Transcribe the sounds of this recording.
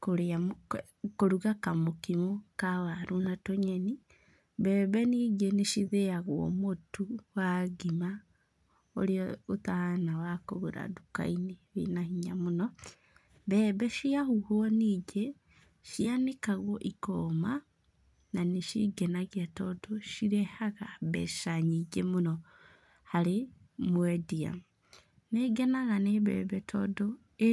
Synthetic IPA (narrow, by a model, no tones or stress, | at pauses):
koɾeam | koɾuɣakamokimokawaɾunatoɲeni | βɛβɛniɡeneʃiðeaɣwɔ̰motuwaɡima | o̰ɾiɔotahanawakoɣuɾa̰duka̰iniβḭnahiɲamunɔ | βeːβeʃiahuhoniɟe | ʃianikaɣwoʔikoːma | naniʃḭɡenaɣetodoʃiɾehaɣaβḛʃaɲiɟemuno | hale | mwedia̰m | neɡenaɣaneβḛβetʰo̰do | e